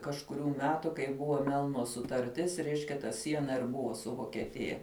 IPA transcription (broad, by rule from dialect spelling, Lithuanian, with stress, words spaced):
kɐʃkʊˈrʲuː ˈmʲæːtʊ kɐɪ ˈbʊʋoː ˈmʲɛlˠnoː sʊtɐrʲˈtʲɪs ˈrʲɛɪʃʲkʲɛ tɐ ˈsʲiɛnɐ ɪr ˈbʊʋoː sʊ ʋoːkʲɛˈtʲɪjɛ